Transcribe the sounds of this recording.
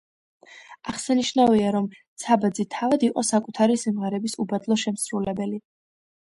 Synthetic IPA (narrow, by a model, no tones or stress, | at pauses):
aχsaniʃnaviaɾɔmt̪sʰabad̪zit̪ʰavad̪iqʼɔ̰sakʼut̪ʰaɾisimʁɛɾɛbisubad̪lˠɔʃɛmsɾulɛbɛli